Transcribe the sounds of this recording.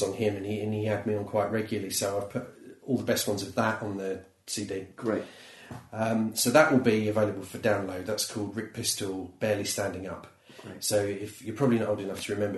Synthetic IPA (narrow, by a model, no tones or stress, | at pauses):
n̩hɪmə̃niə̃niədmiə̃nkʰw̥aɪʔɹɛɡjl̩ˠəlisəʊaɪv̥pʰʊtɔlˠðəbɛst̚wʌ̃nzəvðətn̩ðə | siːdiː | ʌ̃msoʊðəʔwɪlˠbiəveɪləbəlˠfədãʊ̃nləʊd̪̚ðətskʰɔːlˠd̚ɹɪk̚pʰɪstəlˠb̥ɛːlistæ̃ndɪ̃ŋʌ̰p | soʊɪfjəpʰɹ̥ɒbəblinətoʊlˠdɪ̃nʌftʰəɹɪmɛ̃mbə